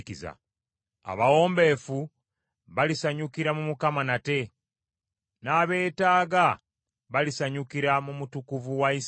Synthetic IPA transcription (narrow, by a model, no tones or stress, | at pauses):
kiza̰ | a̰βawo̞ːmbe̞ːfu | βalisaɲukiɾamumukamanate̞ | naːβe̞ːtaːɡa | βalisaɲukiɾamumutukuvuwais